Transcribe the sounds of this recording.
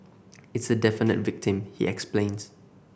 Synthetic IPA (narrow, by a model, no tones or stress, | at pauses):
ɪtsədɛfɪnə̰tvɪk̚tɪ̃mhḭʔɛksplẽːns